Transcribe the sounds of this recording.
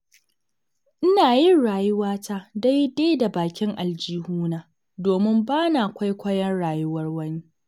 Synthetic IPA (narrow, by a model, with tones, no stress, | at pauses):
ʔɪ˦naː˨jɪ˦nɽaː˨jʊ˦waː˦ta˦da˦jde˦jda˨baː˨kʲɪ˦ŋʔa˨ld͡ʒiː˦huː˦naː˨ | doː˨mɪ˦mbaː˦na˨ʔa˨kʷa˦jkʷɐ˦jɐ˦nɽaː˨jʊ˦wɐ˦rwɐ˦niː˦